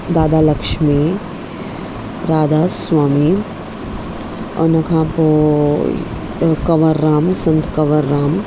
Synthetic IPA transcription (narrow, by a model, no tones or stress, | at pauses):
d̪aːd̪aːlɐkʃmi | ɾaːd̪aːswaːmi | ɐ̰nɐkʰãːpo | kɐʋəɾːaːmsɐ̃nt̪kɐʋəɾːaːm